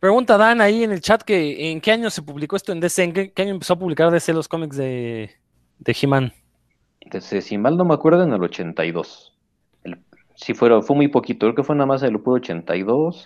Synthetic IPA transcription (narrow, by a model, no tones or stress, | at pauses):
pɾe̞ɣunt̪aðanaiene̞lt͡ʃat̪keːŋke̞aɲo̞se̞puβliko̞est̪oend̪eseːŋkeke̞aɲoempe̞soap̬uβlikaɾðeselo̞sko̞mikzðe | d̪eximan | d̪̥esesimalno̞meakwe̞ɾðoeenelo̞t͡ʃent̪a̰jðo̞s | el | sifweɾofwemujpokit̪okɾekefwenamas̬elopuɾot͡ʃḛnt̪a̰jðos